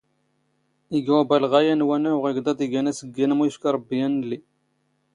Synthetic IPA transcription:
iɡwæbælʁæjænwænæʊʁiɡd̪ɑd̪ˤiɡænæsəɡːinmujəʃkɑɾˤəbːijænlːi

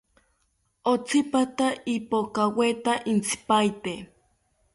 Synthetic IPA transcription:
ot͡sipat̪aipokawet̪aʔint͡si̥pajt̪e

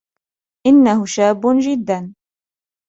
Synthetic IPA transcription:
ʔɪnːahʊʃaːbːʊd͡ʒɪd̪ːan

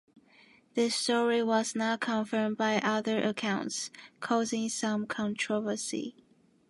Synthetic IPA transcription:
ðɪstɔɹiwʌznaʊkʰə̃ɱfɜ̃˞mbaɪʔʌðə˞ʔəkʰãʊ̃ntskʰɔzɪ̃ŋsʌ̃mkʰə̃ntʰɹ̥ɔvə˞sḭ

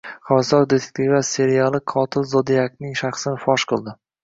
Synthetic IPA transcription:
χasɒɾd̪e̞t̪ʰek̚ʲt̪ʰivase̞ɾijalˠɪqʰɒt̪ʰɪlzɒd̪iak̚nɪŋʃaχsɪnɪfɒʃqʰɨlˠd̪ɪ

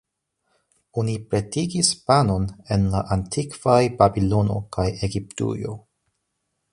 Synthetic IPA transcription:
onipɾe̞tiɡispano̞ne̞nlaʔantʰikv̥ajbabilo̞no̞̰kajeɡip̚tṵjo̞̰

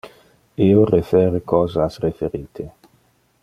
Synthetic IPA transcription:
iorefɛːɾekɔːzasrefeɾiːt̪ʰe

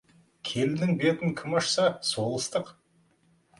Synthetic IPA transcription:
kʲʰe̞ld̪ɪŋbe̞t̪ɪŋkʲʰɪmɑʃsɑso̞lˠəst̪əq

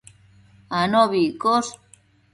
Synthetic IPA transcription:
anoβikos

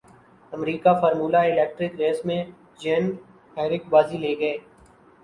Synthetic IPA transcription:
ɐmɾiːkafɔːɾmuːlaɪlɛːk̚ʈɾɪkɾeːsmẽ | d͡ʒeːn | aːɪɾɪkbaːzileːɡɐeː

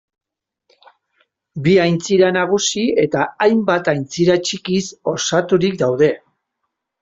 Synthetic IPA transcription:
biajnt͡siɾanaɣ̞usie̞t̪aːjmbat̪ajnt͡siɾat͡ʃikiso̞sat̪uɾikd̪awðe̞

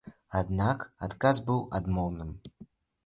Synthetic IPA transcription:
ad̪nakat̪kazbɨwad̪mɔlˠnɨm

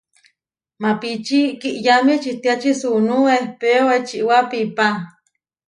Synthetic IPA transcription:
mapit͡ʃikiʔjamit͡ʃit̪iat͡ʃisunuehpeowet͡ʃiʔwapipa

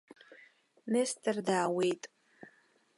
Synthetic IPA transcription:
nestʰardaːwe̞jtʼ

